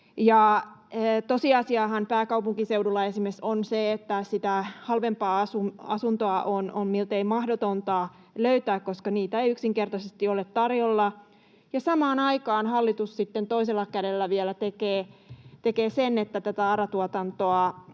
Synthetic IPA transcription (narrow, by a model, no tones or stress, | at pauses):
jɑ | t̪osiɑsiɑːɦɑnpæːkɑupuŋkiseudulːɑesimesonseet̪ːæsit̪æhɑlʋempɑːɑsuɑ̰sunt̪oɑʔononmilt̪eimɑhdot̪ont̪ɑ | løyt̪æːkkoskɑniːt̪æejyksiŋkert̪ɑsest̪iolet̪t̪ɑrjolːɑ | jɑsɑmɑːnɑikɑːnhɑlːit̪ussit̪ːent̪oiselːɑkædelːæʋielæt̪ekeːt̪ekeːsenet̪ːæt̪æt̪æɑɾɑt̪uɑt̪ɑnt̪oɑ